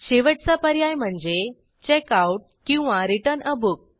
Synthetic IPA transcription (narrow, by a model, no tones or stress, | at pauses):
ɕeʋəʈt͡sapəɾjajm̤əɳd͡ze | t͡ɕekauʈ̚kĩw̃ʋãɾiʈəɾnəbʱuk̚